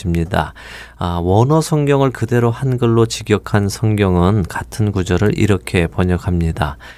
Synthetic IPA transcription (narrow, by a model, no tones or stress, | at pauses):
imɲida | awʌnʌsʰʌŋɡjʌŋɯɭkɯde̞ɾohanɡɯɭːot͡ɕiɡjʌkʰansʰʌŋɡjʌŋɯnkatʰɯnkud͡ʑʌɾɯɭʔḭɾʌkʰe̞pʌɲʌkʰamɲida